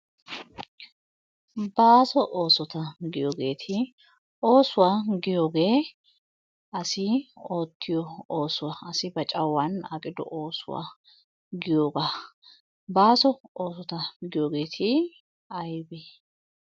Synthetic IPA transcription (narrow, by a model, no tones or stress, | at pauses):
baːsɔʔoːsɔt̪ɐɡɪjoːɡe̞ːt̪ʰɪ | oːsʊwaːɡɪjoːɡe̞ː | ɐsɪo̞ːt̪ʰːɪjɔoːsʊwaɐsɪbɐt͡ʃʼɐwːɐnɐ̰kʼɪd̪ɔ̰ʔo̞ːsʊ̰wa̰ː | ɡɪjoːɡaː | baːsɔoːs̬ɔt̪ɐɡɪjoːɡe̞ːt̪ʰɪ | ɐjbe